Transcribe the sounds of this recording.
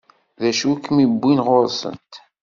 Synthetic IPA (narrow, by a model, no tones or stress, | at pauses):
ðæʃukːmibːinʁoɾsə̰nt̪